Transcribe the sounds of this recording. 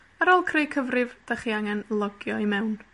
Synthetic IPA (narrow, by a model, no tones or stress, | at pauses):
aɾɔlˠkʰrejkʰəvrɪvd̥aχiaŋɛnlˠɔɡjɔimɛwn